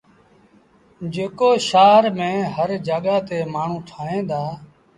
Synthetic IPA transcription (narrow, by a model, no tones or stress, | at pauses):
d͡ʒeːkoːʃaːɾmẽːɦəɾd͡ʒaːɠaːt̪eːmaːɳ̤ũːt̪ʰaːẽːd̪aː